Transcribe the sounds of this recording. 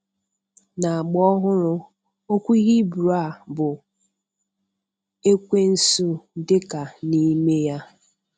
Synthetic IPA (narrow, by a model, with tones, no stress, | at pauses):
na˨a˨ɡ͡bɔ˦ɦʊ˦ɾʊ˦ | o˦kʷu˦i˦ɦi˦bu˨ɾa˦˨bʊ˨ | e˦kʷe˦n̩˦su˦dɪ˦ka˨ni˦me˦ja˦